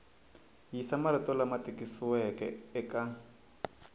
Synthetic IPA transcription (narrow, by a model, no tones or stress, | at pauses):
jisamaɾitɔlamatʼikʼisiwɛkɛ̰ɛka